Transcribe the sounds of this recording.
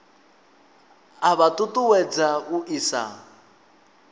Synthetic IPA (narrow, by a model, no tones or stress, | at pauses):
aβatʼutʼuwɛd͡zauʔisa̰